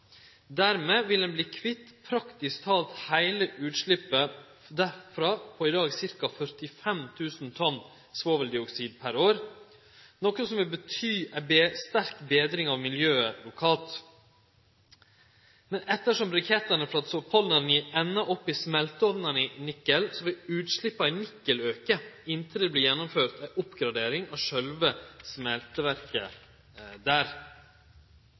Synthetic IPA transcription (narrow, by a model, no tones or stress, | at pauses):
d̪æɾmeːʋɪld̪ɛnbliːkʰʋɪt̪ːpʰɾɑkt̪ɪskt̪ʰɑːlt̪hæɪləʔʉːt̪ʂɭɪpːə | d̪æfɾɑpʰɔɪd̪ɑːɡsɪɾkɑfœɾt̪ɪfɛmt̪ʰʉːsnt̪ʰɔn | sʋoːʋəld̪ɪɔksiːd̪̚pʰæɾoːɾ | nɔkəsɔmʋɪlbət̪ʰyːæbest̪æɾkbeːd̪ɾɪŋɑʋmɪljøːəlʊkʰɑːlt̪ | mɛnɛt̪ːəʂɔmɾɑkʰɛt̪ːəɳəfɾɑt̪sɔpʰɑlnənɪɛnːɑʔɔpːɪsmɛlt̪əɔʋnənɪnɪkːəlsɔʋɪlʉːt̪ʂlɪpːɑɪnɪkːəløːkəɪnt̪ʰɪld̪ɛbliːjɛnːʊmføːɾt̪æʔʊpːɡɾɑd̪eːɾɪŋɑʂœlʋəsmɛlt̪əʋæɾkə | d̪æːɾ